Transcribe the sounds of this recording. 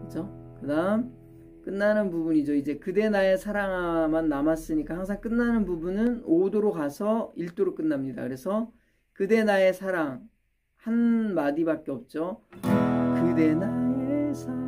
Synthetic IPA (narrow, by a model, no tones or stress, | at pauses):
kɯt͡ɕʰokɯdaɯm | k͈ɯnːanɯnpubuɲid͡ʑoid͡ʑe̞kɯde̞nae̞sʰaɾaŋamanːamas͈ɯɲik͈ahaŋsʰaŋk͈ɯnːanɯnpubunɯnodoɾokasʰʌiɭt͈oɾok͈ɯnːamɲida̰kɯɾe̞sʰʌ | kɯde̞nae̞sʰaɾaŋ | hanmadibak͈e̞ʌp̚t͡ɕ͈o | kɯde̞nae